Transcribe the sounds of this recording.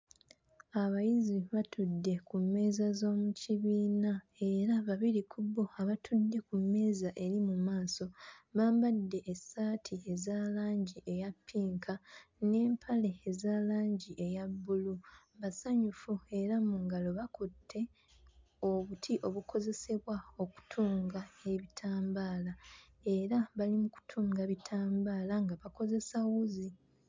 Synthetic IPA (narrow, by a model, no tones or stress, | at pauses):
aβajiziβatʰudːe̞kumːe̞ːzazo̞ːmuciβiːna | e̞ɾaβaβiɾikʰubːo̞aβatʰudːe̞kumːe̞ːzaʔe̞ɾimumaːso̞βaːmbadːe̞ʔːsaːtʰiezaːlaːɲɟiʔe̞japʰːiːŋkʰane̞ːmpʰale̞ːzaːlaːɲɟiʔe̞jabːulu | βasaɲufue̞ɾamuŋɡalo̞βakotʰːe̞ | o̞βutʰiʔo̞βukʰo̞ze̞se̞βwao̞ku̥tʰuːŋɡae̞βitʰaːmbaːla | e̞ɾaβalimuku̥tʰuːŋɡaβitʰaːmbaːlaŋɡaβako̞ze̞sawuzi